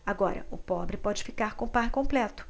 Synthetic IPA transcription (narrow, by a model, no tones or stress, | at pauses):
aɡɔɾɐ̰ʊpɔbɾɪpɔd͡ʒɪfikaɾkõw̃paɾkõplɛt̪ʊ̥